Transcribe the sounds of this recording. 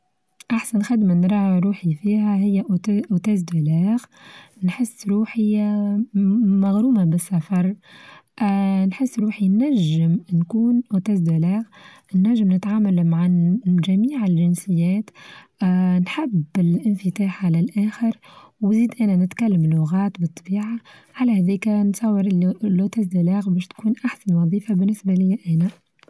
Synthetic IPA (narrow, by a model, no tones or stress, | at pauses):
ʔaħsanxad̪manɾˤɑːhɾuːħifiːɦæɦɪjːæʔʔʊt̪ɛːzd̪ʊlɛːɣnħɪsːɾuːħɪ | maɣɾuːmabɪsːafɑɾˤʔnħɪsːɾuːħinːæʒːɪmnkuːnʔʊt̪æːzd̪olɛːɣ | nːæʒːɪmnɪt̪ʕaːmalmaʕaʒæmiːʕɪlʒɪnsɪjːæːt̪ː | nħɪbɪlʔɪnfɪt̪aːħʕalɪlʔæːxɪɾwziːd̪ʔæːnænɪt̪kælːəmlʊɣɑːt̪bɨt̪ˤːɑbiːʕaʕalæhæðiːkænsˤɑwːɪɾʔlːot̪æzd̪ælæːɣbɛːʃt̪kuːnʔaħsanwɑðˤiːfabɪnːɪsbalɪjːæʔæːnæ